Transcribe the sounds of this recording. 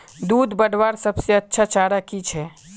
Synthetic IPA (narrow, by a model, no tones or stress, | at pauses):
d̪uːd̪bəɽwaːɾsəbseɐtːʃʰat͡ʃaːɾakit͡ʃʰɛː